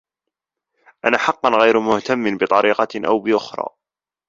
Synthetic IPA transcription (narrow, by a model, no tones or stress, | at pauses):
ʔanaːħɑqːɑnɣajɾmʊht̪amːɪnbɪt̪ˤɑɾiːqɑʔa̰wbɪʔʊxɾˤɑ̰ː